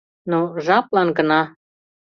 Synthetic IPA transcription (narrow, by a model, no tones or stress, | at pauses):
noʒɑplˠɑnɡənɑ